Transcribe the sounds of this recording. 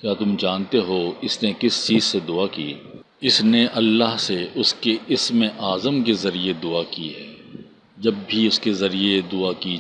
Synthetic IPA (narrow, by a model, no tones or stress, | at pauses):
kʲjaːt̪ʊmd͡ʒãːnt̪eɦoɪsnekɪst͡ʃiːzsed̪ʊakiː | ɪsneʔɐlːaɦseʔʊskeɪsmẽʔaːzəmkezɐɾied̪ʊakiɦɛː | d͡ʒɐbːʱiʊskezɐɾied̪ʊaki